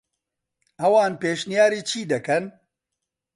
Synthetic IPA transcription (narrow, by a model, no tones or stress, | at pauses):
ɐwaːnpeːʃnijaːɾiːt͡ʃʰiːd̪ɐkɐn